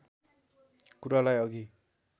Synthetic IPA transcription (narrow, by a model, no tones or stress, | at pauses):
kuɾalajʌɡi